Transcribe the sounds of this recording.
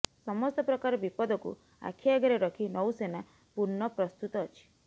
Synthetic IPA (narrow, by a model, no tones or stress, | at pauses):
sɔmɔst̪ɔpɾɔkaɾɔbipɔd̪ɔkṵ | a̰kʰiaɡaɾeɾɔkʰinɔwsena | puɾnɔpɾɔst̪ut̪ɔːt͡ʃʰi̥